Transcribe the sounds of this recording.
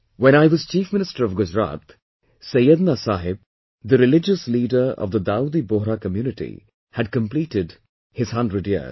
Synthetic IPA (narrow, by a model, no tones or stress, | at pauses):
wɛ̃ñaɪwʌz̥t͡ʃiːfmɪ̃nɪstəɾʌvɡʊd͡ʒɾa̰ːt̪ | sʌjəd̪nasaːɦɪb̚ | d̪əɾɪlɪd͡ʒəsliːɖə˞ɔ̰vðəd̪ad̪iboɦɾakəmjuːnɪʈḭ | hæd̚kə̃mpliːʈɪd | hɪz̥ɦʌ̃ndɾədjə̰